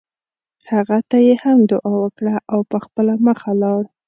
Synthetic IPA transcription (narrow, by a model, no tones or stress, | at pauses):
haɣat̪ajehamd̪ʊʔɑwəkɽaʔawpəxpəlaməxalɑɽ